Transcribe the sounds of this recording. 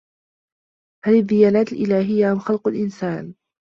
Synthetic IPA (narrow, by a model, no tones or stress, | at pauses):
halaðːɪjaːlaːt̪alʔɪlaːɦɪjːaʔamxɑlqʊlʔɪnsaːn